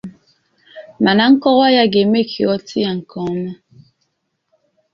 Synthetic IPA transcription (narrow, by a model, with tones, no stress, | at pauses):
ma˨na˦ŋ̩˦kɔ˦ɣa˦ja˦ɡe˨me˦kʰi˨ɔ˦tʰi˦a˨ŋ̩˨kɔ˨ŋ˦mɛ˦